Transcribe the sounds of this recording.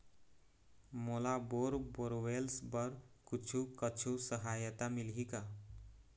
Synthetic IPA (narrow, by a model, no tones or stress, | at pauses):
molaboɾboɾwelsbʌɾkut͡ʃʰukət͡ʃʰusəɦajət̪amilɦika